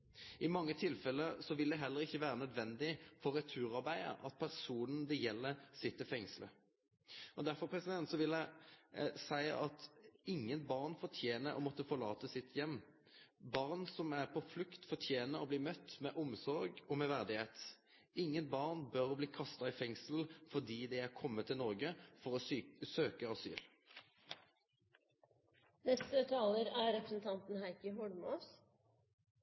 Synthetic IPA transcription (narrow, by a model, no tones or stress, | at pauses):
ʔɪmɑŋːət̪ʰɪlfɛlːəɾsɔʋɪld̪ɛɦɛlːəɾɪçːəʋæːɾənœd̪ʋɛnd̪ɪfɔɾɛt̪ʰʉːɾɑɾbæɪə̰ɾɑ̰t̪̚pʰæʁsuːnən̩d̪ɛjɛlːəɾsɪt̪ːɪfɛŋslə̰ | ɔd̪æɾfɔpʰɾɛsɪd̪ɛnt̪sɔʋɪlæɪ | sæɪə̰ɑt̪ɪŋːənbɑʁnfɔtʰjeːnəɾɔ̰mɔt̪ːəfɔʁlɑːt̪əsɪt̪ʰjɛmː | bɑʁnsɔmæʁpʰɔflʉkt̪fɔʈʰjeːnəʁɔbliːmœt̪ːmɛʔʊmsɔɾɡɔmɛʋæʁd̪ɪheːt̪ | ɪŋːənbɑʁnbœʁɔbliːkʰɑst̪ɑɪfɛŋsl̩fɔʁd̪iːd̪ɛɪæʁkʰɔmːət̪ʰːɪlnɔʁɡəfɔʁɔsøːkəɑsy̰ːl | nɛst̪ət̪ʰɑːləɾæɾɛpɾəsn̩t̪ʰɑnt̪n̩hæɪkəɦɔɖmoːs